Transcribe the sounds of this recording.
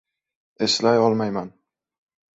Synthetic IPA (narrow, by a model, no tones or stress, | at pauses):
eslajɒlˠmajman